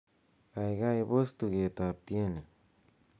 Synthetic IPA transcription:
kajɡajbost̪uɡet̪ap̚t̪jene

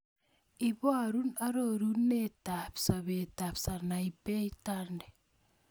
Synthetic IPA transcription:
iβoaɾunaɾoɾunːetapsaβetapsanaipeitande

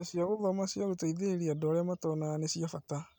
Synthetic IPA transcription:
siaɣoðɔmasiaɣotaiðeɾiadɔɾɛamatɔnanesiafata

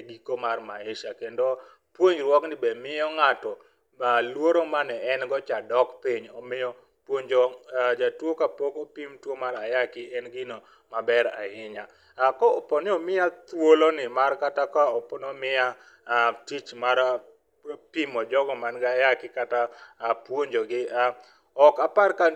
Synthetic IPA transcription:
ɡikomarma̰ɪʃakendo | pwoɲd͡ʒɾwɔknɪbɛmɪjɔŋatɔ | alwoɾomanɛɛnɡɔt͡ʃadɔkpiɲɔmɪjɔ | pwoɲd͡ʒod͡ʒatwokapokopimtwomaɾajakɪɛnɡɪno | mabɛɾa̰hɪɲa | kɔɔpɔneomɪat̪wolonɪmarkatakaɔpɔnɔmɪa | tit͡ʃmaɾ | pimɔd͡ʒɔɡɔmanɡajakɪkatapwoɲd͡ʒoɡɪa | ɔkaparka

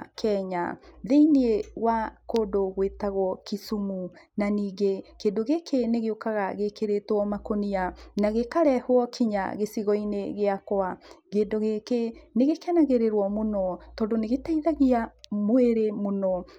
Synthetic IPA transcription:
kʰɛɲa̰ðeinieɣwakoːdoɣwetaɣwɔkisumunaniːɡekeːndoɣekʰeneɣeokaɣaɣekeɾetwɔmakonianaɣekaɾɛhwɔkʰiɲa̰ɣesiɣɔineɣeakwaɣeːndoɣekeneɣekɛnaɣeɾeɾwɔmonɔtɔːdoneɣetaiðaɣiamweɾemonɔ

